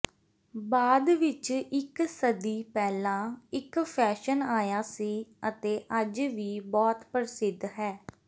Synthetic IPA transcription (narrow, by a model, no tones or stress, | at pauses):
baːd̪ʋɪt͡ʃɪksəd̪iːpɛːlãːɪkpʰɛːʃənaːjaːsiːət̪eːʔəd͡ʒʋiːbɔːt̪pəɾɪsɪd̪ːɦɛː